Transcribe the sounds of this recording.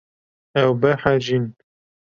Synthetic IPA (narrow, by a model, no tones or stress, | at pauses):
ɛwbɛħaʒin